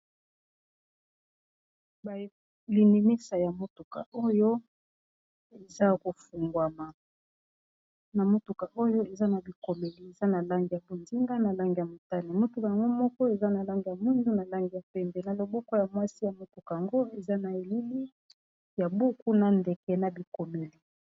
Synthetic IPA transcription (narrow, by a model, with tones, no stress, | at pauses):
ba˨ | li˨ni˨ni˦sa˨ja˨mo˦tu˨ka̰˨ʔo˦jo˦ | e˨za˦ko˨fu˨ŋɡwa˨ma˨ | na˨mo˦tu˨ka˨ʔo˦jo˦e˨za˦na˨bi˨ko˨me˨li˨e˨za˦na˨la˦ŋɡi˨ja˨bo˨nzi˦ŋɡa˦na˨la˦ŋɡi˨ja˨mo˨ta˦ni˨mo˦tu˨ka˨ja˨ŋɡo˦mɔ˦kɔ˦e˨za˦na˨la˦ŋɡi˨ja˨mi˦nzu˦na˨la˦ŋɡi˨ja˨pɛ˦mbɛ˨na˨lo˨bɔ˦kɔ˦ja˨mwa˦si˦ja˨mo˦tu˨ka˨ja˨ŋɡo˦e˨za˦na˨e˨li˦li˦ | ja˨bu˦ku˦na˨nde˨kɛ˨na˨bi˨ko˨me˨li˨